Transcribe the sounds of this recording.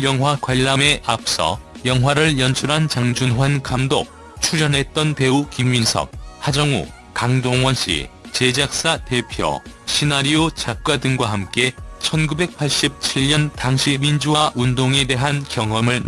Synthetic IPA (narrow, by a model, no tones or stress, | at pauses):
jʌŋɦwakwaʎːameʔap̚s͈ʌ̰jʌŋwaɾɯɭjʌnt͡ɕʰuɾɦant͡ɕaŋd͡ʑunɦwankamdo̰k̚ | t͡ɕʰuɾʌnɦe̞t̚t͈ʌnpe̞ukimɥinsʰʌ̰k̚had͡ʑʌŋṵ | kaŋdoŋwʌnɕ͈ḭt͡ɕe̞d͡ʑak̚s͈ate̞pʰjʌ̰ɕʰinaɾiot͡ɕak̚k͈wadɯŋɡwaɦamk͈e̞t͡ɕʰʌnɡube̞k̚pʰaɭɕ͈ip̚t͡ɕʰiʎɲʌntaŋɕʰimind͡ʑuwaʔundoŋe̞de̞ɦankjʌŋwʌmɯɭn